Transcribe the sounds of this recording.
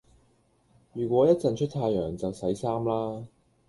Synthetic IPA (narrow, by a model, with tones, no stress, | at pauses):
jyː˨˩kʷɔː˨˥jɐ˥t̚t͡sɐ˨nt͡ʃʰɵ˥t̚t̪ʰaː˧jœː˨˩ŋt͡sɐ˨wsɐ˨˥jsaː˥mlaː˥